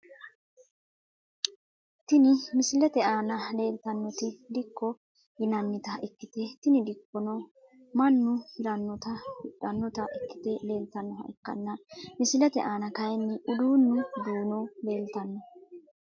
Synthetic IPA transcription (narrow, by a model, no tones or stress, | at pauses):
t̪ɪnɪmɪsɪlɛt̪ɛʔaːnɐle̞ːlt̪ɐnːɔt̪ɪd̪ɪkːɔ | jɪnɐnːɪt̪ɐɪkːɪt̪ɛt̪ɪnɪd̪ɪkːɔnɔ | mɐnːʊhɪɾɐnːɔt̪ɐhʊɗɐnːɔt̪ɐʔɪkːɪ̥t̪ɛle̞ːlt̪ɐnːɔɦɐ̰ʔɪkːɐ̰nːɐmɪsɪlɛt̪ɛ̰ʔaːnɐkɐjɛnːɪʔʊd̪uːnːɪd̪uːnɔle̞ːlt̪ɐnːɔ